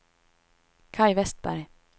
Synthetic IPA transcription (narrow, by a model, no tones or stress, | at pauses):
kʰajvɛst̪̚bæ̰ɾj